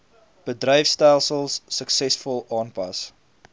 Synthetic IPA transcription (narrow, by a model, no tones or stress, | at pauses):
b̥ədrəjfstælˠsəlˠsːəksɛsfɔlˠɑːnpɐ̰s